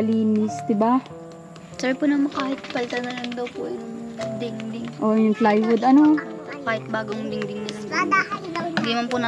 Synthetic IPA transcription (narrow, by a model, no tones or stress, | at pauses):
liːnɪsd̪ɪba | sɛɹpʊnɐmɐkaːhɪt̪̚pɐlt̪ɐnɐlɐŋd̪ɐwpʊjʊŋd̪ɪŋd̪ɪŋʔojʊŋflajwʊd̪ɐnokaːhɪt̪̚baːɡojʊd̪ɪŋd̪ɪŋnɐlɐaa | ɡimɐnpʊnɐ